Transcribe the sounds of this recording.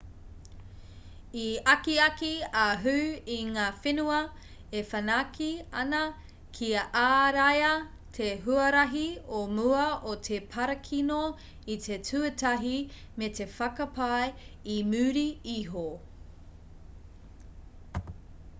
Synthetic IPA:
iɐkiɐkiaɦʉːiŋaːfenuɐ | efɐnakʰiɐnɐ | kʰiɐʔaːɾɐjɐ | tʰeɦuɐɾɐɦiomuɐʔot̪ʰepʰɐɾɐkʰino | it̪ʰetʰʉtɐɦi | metʰe̞fɐkɐpajimʉːɾiiɦo

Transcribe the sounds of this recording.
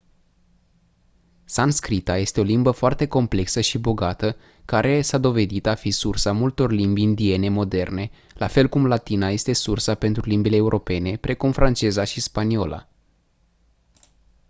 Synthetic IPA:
sanskɾit̪aje̞st̪e̞o̞limbəfoart̪e̞ko̞mple̞ksəʃibo̞ɡat̪ə | kaɾʔe̞sad̪o̞ve̞d̪it̪afisursamult̪o̞rlimbind̪ie̞ne̞mo̞d̪e̞rne̞ | lʔafe̞lkumlat̪inaje̞st̪e̞sursape̞nt̪ɾulimbile̞ːuɾʔo̞pe̞ne̞pɾʔe̞kumfɾʔant͡ʃe̞zaʃispanio̞̰lʔa̰

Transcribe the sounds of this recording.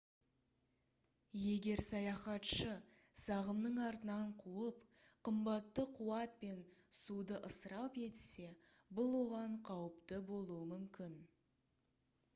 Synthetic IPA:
je̞ɡʲe̞ɾsɑjɑχɑt̪ʃə | sɑʁəmnəɴɑɾt̪ənɑɴqʰuəp | qʰəmbɑt̪ːəqʰuwɑt̪̚pe̞nsud̪əʔəsəɾɑpe̞t̪ɪse̞ | bʊlˠwo̞ʁɑɴqʰɑwəpt̪əbo̞lˠuəmʏmkʲɪn

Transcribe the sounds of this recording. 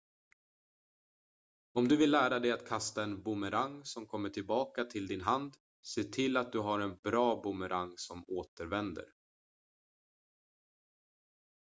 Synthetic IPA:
ɔmd̪ɵvɪlːæːɾad̪ɛjat̪kʰast̪aɛnbʊməɾaŋːsɔmkʰɔmːəʈʰɪlbɑːkat̪ʰɪld̪ɪnɦand̪ | seːʈʰɪlːat̪̚d̪ɵɦaɾɛnbɾɑːbʊməɾʔaŋːsɔmoːt̪əɾvɛnd̪ə̰ɾ

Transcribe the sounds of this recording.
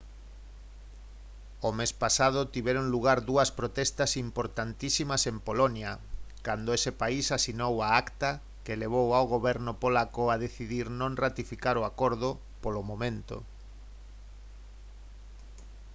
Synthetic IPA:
omespasað̞ʊt̪iβɛɾoŋluɣ̞aɾðuɐspɾot̪ɛst̪asimpoɾt̪ant̪isimasempolonjakand̪oesepaisasinowaakt̪a | keleβ̞owawɣoβɛɾnʊpolakoaðeθiðiɾnõŋrat̪ifikaɾoakoɾðʊ | polomomẽnt̪o̰

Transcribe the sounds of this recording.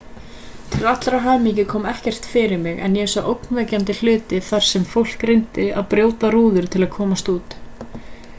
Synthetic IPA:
t̪ʰɪlat̪lɾaɦaːjmicɪkʰɔːmɛhcɛr̥t̪fɪɾɪɾmɪɣɛ̰njɛsaʔowknvɛːcant̪ɪl̥ʏːt̪ɪθaɾ̥sɛmfowl̥kɾejnt̪ɪaðpɾjoːwt̪aɾuːðʏɾ̥t̪ʰɪlaðkʰɔːmast̪uːt̪

